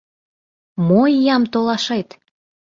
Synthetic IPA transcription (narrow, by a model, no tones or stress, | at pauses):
moijɑmt̪olɑʃet̪